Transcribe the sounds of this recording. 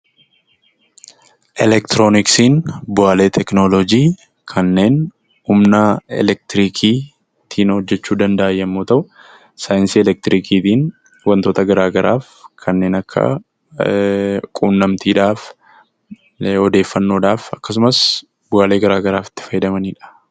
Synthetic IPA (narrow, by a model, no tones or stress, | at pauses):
ʔɛlɛk̚t̪ɪɾoːnɪksiːnbʊaːle̞ːt̪ʰɛknolod͡ʒiː | kʰɐnːe̞ːn | hʊmnɐɛ̰lɛk̚t̪ɪɾiːkʰiː | t̪ʰiːnhɔd͡ʒːɛt͡ʃːuːd̪ɐnd̪ɐʔɐjːɐmːoːt̪ɐʔʊ | saːjɪnsiːɛlɛk̚t̪ɾiːkʰiːt̪iːn | wɐnt̪o̞ːt̪ɐɡɐɾaːɡɐɾʔaːf | kʰɐnːe̞ːnɐkʰːɐ̰ | kʼuːnːɐmt̪ʰiːᶑaːf | ɔd̪e̞ːfːɐnːo̞ːᶑaːfɐkːɐs̬ʊmɐs | bʊaːle̞ːɡɐɾaːɡɐɾaːfɪ̥t̪ːɪ̥fɐjɪd̪ɐmɐniːᶑɐ̥